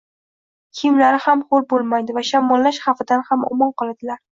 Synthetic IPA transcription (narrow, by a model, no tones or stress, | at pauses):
kʲʰɪmlaɾɪhamχolbolˠmajd̪ɪvaʃamːɒlːaʃχɑfɪd̪anhamɒ̰mɒnqɒlˠad̪ɪlaɾ